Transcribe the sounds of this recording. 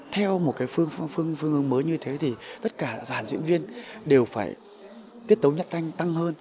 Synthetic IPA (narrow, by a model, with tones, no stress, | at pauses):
t̪ʰɛ˧wmo˨˩t̚kaː˨˦jfɨ˧əŋ˧fɨ˧əŋfɨ˧əŋʔɨ˨˦əŋməː˨˦jɲɨ˧t̪ʰe˨˦t̪ʰi˨˩t̪ə˦˥t̚kaː˧˩zaː˧˩nzḭ˧˥ənvi˧ənɗe˨˩wfaː˧˩j | t̪i˦˥ət̚t̪ə˨˦wɲə˦˥t̚t̪a˧jŋ̟t̪a˧ŋhəː˧n